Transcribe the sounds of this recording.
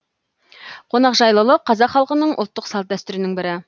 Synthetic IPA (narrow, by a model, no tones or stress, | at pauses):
qʰo̞nɑqʒɑjlˠəlˠəqʰɑzɑqχɑlˠqənəɴʔo̰ʊlˠt̪ːəqsɑlˠt̪̚d̪æst̪ʏɾɪnɪŋbɪɾɪ